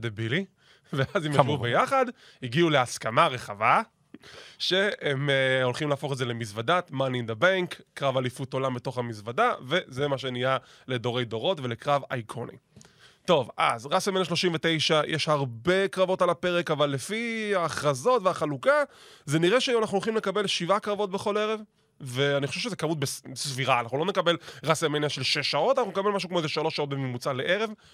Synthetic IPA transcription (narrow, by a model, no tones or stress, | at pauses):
d̪ebili | veazimeuvbejaχad | hiɡiuleaskamaʁeχava | ʃe̞emolχimlaːfo̞χezelemisvadat̪manind̪ebaŋkːʁavalifuto̞lambeto̞χhamisvadave̞zemaʃenija | ledo̞ʁe̞jdo̞ʁo̞tvelekʁava̰jkʰonḭ | to̞va̰zʁasamenaʃ̬lo̞ʃimvetejʃajʔeʃhaʁbe̞kʁavo̞talape̞ʁekavalːefiaːχʁazo̞tveaχaluka | zeniʁe̞ʃeanaχnulolχimlekabe̞lʃivakʁavo̞t̚be̞χo̞le̞ʁe̞v | veanixχo̞ʃevʃezekamut̚besbesviʁaːnaχnulo̞nekabe̞lʁasamenaʃe̞lʃeʃao̞tanaχunekabe̞lmaʃukmoezeʃalo̞ʃaot̚bememut͡saleʔe̞ʁe̞v